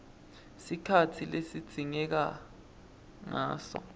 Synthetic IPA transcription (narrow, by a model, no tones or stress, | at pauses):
sikʰatʰilesid̥z̥ʱiŋɛk̬a | ŋa̰ːsɔ̰